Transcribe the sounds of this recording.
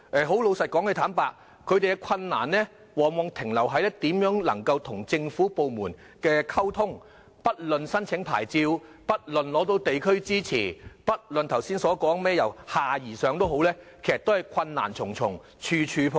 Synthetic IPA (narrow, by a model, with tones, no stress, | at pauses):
ʔɛː˨˩ɦo˨˥wlo˨˧wsɐ˨t̚kɔː˨˥ŋkɛ˧t̪ʰaː˨˥mpaː˧k̚ | kʰɵ˨˧ɥt̪e˨jkɛ˧kʰɐ˧nːa̰ː˨˩nlɛː˥ | wɔː˨˩ŋwɔː˨ŋt̪ʰɪ˨˩ŋlɐ˨˩wɦɐ˨˥jlɛ˥t̪iː˨˥mjœː˨˥ŋlɐ˨˩ŋkɐ˧wt̪ʰʊ˨˩ŋt͡sɪ˧ŋfuː˨˥po˨wmuː˨˩n | kɛː˧kʰɐ˥wt̪ʰʊ˥ŋ | pɐ˥t̚lɵ˨nsɐ˥nt͡sʰɪ˨˥ŋpʰa̰ː˨˩jt͡siː˧w | pɐ˥t̚lɵ˨nlɔː˨˥t̪o˧wt̪e˨jkʰɵ˥ɥt͡siː˥t͡sʰḭː˨˩pɐ˥t̚lnt̪ʰɐ˨˩wsiː˥nsɔː˨˥kɔː˨˥ŋmɛː˥jɐ˨˩whaː˨˩jiː˨˩sœː˨ŋt̪o˥wɦo˨˥wlɛː˥kʰe˨˩sɐ˨˩t̪o˥hjkʰɐ˧nːa̰ː˨˩nt͡sʰʊ˨˩ŋt͡sʰʊ˨˩ŋ | t͡ʃʰyː˧t͡ʃʰyː˨˧pʰ